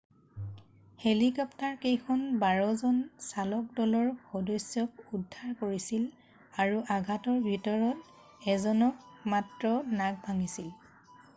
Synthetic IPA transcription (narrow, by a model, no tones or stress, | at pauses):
helikɔptaɹkejkʰɔnbaɹɔzɔnsalɔk̚dɔlɔɹxɔdɔjsjɔk̚udʱːaɹkoɹisil | aɹuʔaɡʱatɔɹbʱitɔɹɔt | ɛzɔnɔkmatɹɔnaɡ̚bʱaŋisil